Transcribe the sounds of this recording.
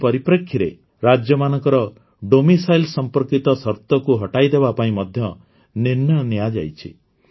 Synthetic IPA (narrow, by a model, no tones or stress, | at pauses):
pɔɾipɾekʰːjiɾe | ɾad͡ʒjɔmanɔŋkɔɾɔ | ɖomisajlsɔmpɔɾkit̪ɔsɔɾt̪ɔkuɦɔʈajd̪ebapaĩmɔd̪ʱjɔ | niɾnjɔnjad͡ʒa̰jt͡ʃʰḭ